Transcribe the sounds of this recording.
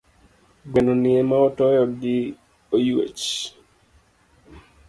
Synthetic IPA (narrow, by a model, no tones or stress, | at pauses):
ɡwenoniemaɔtɔjɔdi | ojuḛt͡ʃ